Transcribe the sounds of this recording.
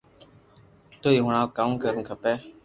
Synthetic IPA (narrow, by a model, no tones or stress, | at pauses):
t̪oːiːɦʊɳ̃ãːkaːmkəɾənkʰəpɛː